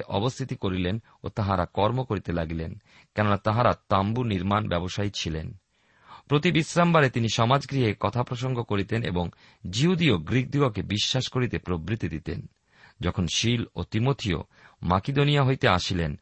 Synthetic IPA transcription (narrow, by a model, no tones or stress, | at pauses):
ʔɔ̰bost̪ʰit̪ikoɾilen | o̰t̪aɦaɾakɔɾmokoɾit̪elaɡilen | kɛnonat̪aɦaɾat̪ambuniɾmanbɛboʃajt͡ɕʰilen | pɾot̪ibisɾambaɾet̪iniʃɔmad͡ʑɡɾiɦekɔt̪ʰapɾoʃoŋɡʱokoɾit̪enḛboŋ | d͡ʑiɦud̪ioɡɾik̚d̪uɡokebiʃːaʃkoɾit̪epɾobɾit̪ːid̪it̪ḛn | d͡ʑɔkʰonʃilot̪imot̪ʰio̰ | maked̪onijaɦojt̪eaʃilen